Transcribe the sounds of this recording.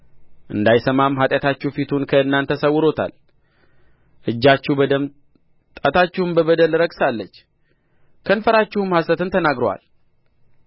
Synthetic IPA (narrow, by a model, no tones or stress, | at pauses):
ʔɨnd̪ajsəmamːɦat̪ʼjat̪ʰat͡ʃːufit̪ʰunkʰəɨnːant̪ʰəsəwːʊɾo̞t̪ʰa̰l | ʔɨd͡ʒːat͡ʃːubəd̪əm | t̪ʼat̪ʰat͡ʃːɪhɨmbəβəd̪əlɾəɡsalːət͡ʃː | kʰənfəɾat͡ʃːɪhɨmhasət̪ɨnt̪ʰənaɡɾowa̰l